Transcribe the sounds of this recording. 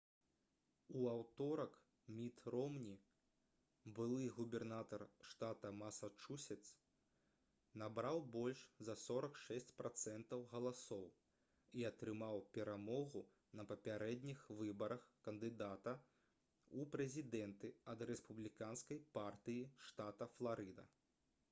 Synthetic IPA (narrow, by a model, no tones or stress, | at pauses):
uawt̪ɔɾɐk | mʲit̪rɔmnʲi | bɨlˠɨɣubʲɛrnat̪ɐrʂt̪at̪ɐmɐsat͡ʂusʲɛt̪s | nabɾawbɔlʲʂzɐsɔɾɐkʂɛsʲt͡sʲpɾat̪sɛnt̪ɐwɣɐlˠasɔw | iɐt̪ɾɨmawpʲɛɾamɔɣu | nɐpɐpʲaɾɛd̪ʲnʲixvɨbɐɾɐxkɐnd̪ɨd̪at̪ɐ | upɾɛzʲid̪ɛnt̪ɨɐd̪ɾɛspublʲikanskɐjpart̪ɨjiʂt̪at̪ɐflˠaɾɨd̪ɐ̰